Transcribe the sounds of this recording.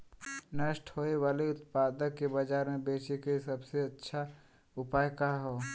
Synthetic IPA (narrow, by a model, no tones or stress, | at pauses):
nəʃʈʰhoːewaːleʊt̪paːd̪əkːebəd͡ʒaːɾmẽbeːt͡ʃikaisɐbseɐtːʃʰa | ʊpaːjkaɦoː